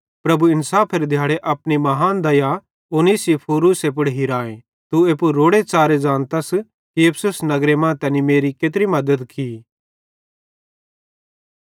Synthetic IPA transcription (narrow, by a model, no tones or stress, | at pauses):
pɾɐbuɪnsaːpʰeɾd̪ʱjaːɽeʔɐpnimɐɦaːnd̪ɐja | oniːsipʰoːɾuːsep̬ʊɽɦiɾaːẽ | t̪ueːpuɾoːɽet͡saːɾed͡ʒãːnt̪as | kiepʰsʊsnɐɡɾemãt̪ɛ̃ːnimeːɾikeːt̪̬ɾimɐd̪əd̪kʰi